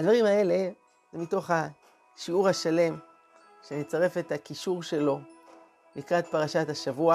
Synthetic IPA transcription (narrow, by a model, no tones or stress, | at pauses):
ad̪vaʁimae̞le̞ | zemito̞χa | ʃiuʁhaʃale̞m | ʃenet͡saʁe̞fetakiʃuʁʃe̞lo̞ | mikʁat̪paʁaʃathaʃavua